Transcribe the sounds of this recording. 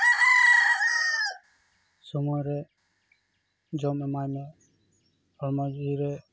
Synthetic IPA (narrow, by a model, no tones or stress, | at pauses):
sɔmɔjɾɛ | d͡ʒɔmɛmajmɛ | ɔɾmad͡ʒiɾɛ